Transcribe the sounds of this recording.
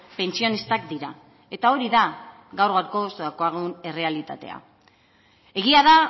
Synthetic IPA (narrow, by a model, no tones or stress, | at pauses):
pe̞nt͡sio̞nist̪ak̚d̪iɾa | e̞t̪ao̞ɾiða | ɣawɾɣaɾko̞st̪oako̞aɣune̞re̞alit̪at̪e̞̰a̰ | e̞ɣ̞iaða